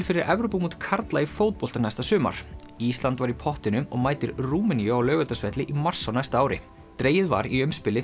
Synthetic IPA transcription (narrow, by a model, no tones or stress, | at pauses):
lfɪɾɪɾʔɛvɾopumut̪kʰaɾt̪laifoːwt̪̚pɔl̥t̪aɾnajst̪asʏːma̰ɾ̥ | ist̪lant̪vaɾipʰɔht̪ɪnʏmɔ̰ɣmaːjt̪ɪɾruːmɪniɔɔɣlœːɣʏt̪asvɛt̪lɪʔimar̥sːawnajst̪aaːwɾɪ̰ | t̪ɾeːjɪðva̰ɾiœɥmspɪlːɪ